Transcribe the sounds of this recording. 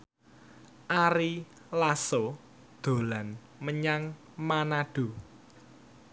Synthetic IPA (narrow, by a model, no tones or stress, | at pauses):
ʔaɾi | laso | d̪̥o̤lan | məɲaŋ | manaɖ̥o̤